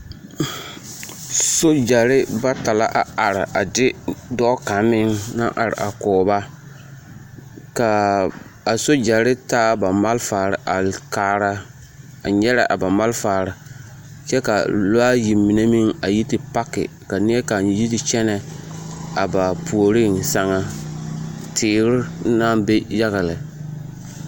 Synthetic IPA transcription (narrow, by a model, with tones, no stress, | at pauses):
so˦d͡ʒa˨ɾɪ˦ba˦ta˨la˦ʔa˨a˨ɾɪ˨ʔa˨dɪ˦dɔː˦ka˨mɪ˦ŋna̰˦ʔa˨ɾɪ̰˨ʔa̰˨kɔː˨ba˦ | ka˨ | a˨so˦d͡ʒa˨ɾɪ˦taː˦ba˨ma˦lfaː˨ɾɪ˨ʔa˨kaː˨ɾa˦ | a˨ɲɛ˦ɾa˨ʔa̰˨ba˨ma˦lfaː˨ɾɪ˨ | t͡ʃɛ˦ka˨la˦ji˨mi˨ne˦mi˦ŋa˨ji˦tɪ˨pa˦kɪ̰˨ | ka˨nɪ˦ɛ˦ka˨ji˦tɪ˨t͡ʃɛ˦nɛ˨ | a˨ba˨pʰu˨o˨ɾɪ˦˨ŋsa˦ŋa˦ | tʰɪː˨˦ɾɪ˦na˦be˦ja˦ɣa˨lɪ˨